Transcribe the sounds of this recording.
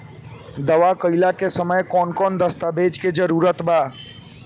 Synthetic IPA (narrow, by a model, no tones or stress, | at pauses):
d̪ɐʋakəilakesəməjkɔːnkɔːnd̪əst̪abeːd͡ʒked͡ʒəɾuːɾət̪baː